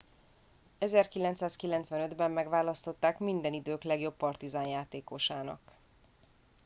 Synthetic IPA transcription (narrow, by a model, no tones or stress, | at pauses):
ɛzɛrkilɛnt̪saːskilɛnt̪sʋɛnød̪bɛmːɛɡʋaːlɒst̪o̞t̪ːaːkmind̪ɛnid̪øːklɛɡjo̞pːɒrt̪izaːnjaːt̪eːko̞ʃaːnɒ̰k